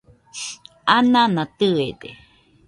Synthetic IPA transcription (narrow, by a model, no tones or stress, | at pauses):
anãnãt̪ɨed̪e